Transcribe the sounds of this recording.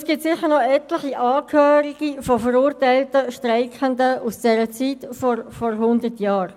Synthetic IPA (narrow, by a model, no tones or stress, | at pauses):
sɡ̥iːp̚tsɪχːəɾnɔɛtləχiʔɑːkʰhøːɾiɡ̥ifɔfəɾuːɾtaɪltəʃtraɪkəndəʔusd̥ɛːɾət͡siːtfɔrfɔɾɦʊndətjaːɾ